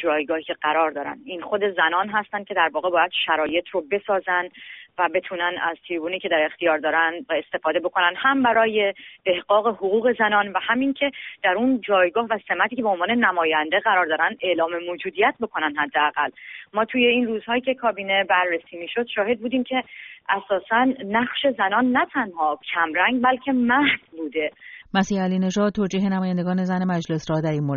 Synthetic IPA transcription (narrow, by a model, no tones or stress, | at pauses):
d͡ʒɒːjɡɒːhiːcʰe̞ɡæɾɒːɾd̪ɒːɾæ̰nd̪inxo̞d̪e̞zænɒːnɦæst̪ænd̪cʰe̞d̪æɾvɒːɣebɒːjæd̪ʃæɾɒːje̞t̪ʰrobe̞sɒːzænd̪væbe̞t̪ʰuːnænæz̥t̪ʰiɾbuːniːcʰe̞d̪æɾe̞xt̪ʰijɒːɾd̪ɒːɾænd̪væest̪e̞fɒːd̪e̞bo̞kʰo̞nænd̪hæmbæɾɒːje̞b̥e̞hɢɒːɣe̞hoɣuːɣe̞zænɒːnvæhæmiŋcʰe̞d̪̥æɾund͡ʒɒːjɡɒːhvæse̞mæt̪ʰiːcʰe̞beonvɒːne̞næmɒːjænd̪e̞ɣæɾɒːɾd̪ɒːɾænd̪e̞lɒːme̞moːd͡ʒuːd̪ijæt̪̚bo̞kʰo̞nænd̪hæd̪ːeæɣælmɒːt̪ʰuːje̞inruːz̥hɒːjiːcʰe̞kʰɒːbiːne̞bæɾːesiːmiːʃo̞d̪̥ʃɒːhe̞d̪̚buːd̪iːmcʰe̞ʔæsɒːsænːæχʃe̞zænɒnːæt̪ʰænhɒːcʰæmɾæŋɡbælcʰe̞mæhz̥buːd̪e̞mæsiːhæliːne̞ʒɒːd̪̚t̪ʰːoːd͡ʒiːɦe̞næmɒːjænd̪eɡɒːne̞zæne̞mæd͡ʒle̞sɾɒːd̪æɾiːnmoɾ